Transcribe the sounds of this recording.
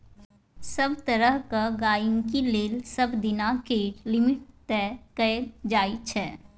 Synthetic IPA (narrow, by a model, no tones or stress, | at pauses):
səbt̪əɾəɦkaɡaːjŋkileːlsəbd̪ɪnakeːʈlɪmɪʈ̚t̪ɛkəed͡ʒaːit͡ʃʰɛː